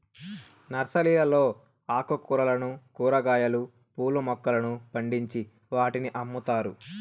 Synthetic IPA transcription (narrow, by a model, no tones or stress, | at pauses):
nɐɾsɐliːlɐlo̞ː | aːkɐkuɾɐlɐnukuːɾɐɡaːjɐlu | puːlumɔkːɐlɐnupɐɳɖiɲt͡ʃi | ʋaːʈiniʔɐmːut̪aːɾu